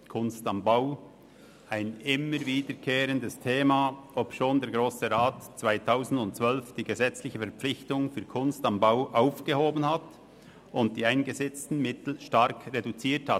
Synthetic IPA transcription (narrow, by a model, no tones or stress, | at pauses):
kʰʊnstɑmbaʊ | aɪnɪməɾviːdəɾkʰeːɾəndəstʰeːmaopʃoːndeɛːɾɡɾoːsəɾaːtt͡sv̥aɪtʰaʊzn̩dʊntt͡svœlfd̥iːɡəzɛt͡slɪçəfɛɐɾpp͡flɪçtʊŋfyːɐkʰʊnstɑmbaʊʔaʊfɡ̥əhoːbənhat | ʊnt̚d̥iːaɪnɡəzɛt͡stn̩mɪtl̩ʃtɑɾkɾedut͡siːthat